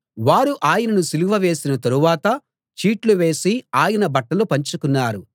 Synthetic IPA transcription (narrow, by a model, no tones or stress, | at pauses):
ʋaːɾuʔaːjɐnɐnusiluʋɐʋe̞ːsinɐt̪ɐɾuʋaːt̪ɐ | t͡ʃiːʈluʋe̞ːsiaːjɐnɐbɐʈːɐlupɐɲt͡ʃukunːaːɾu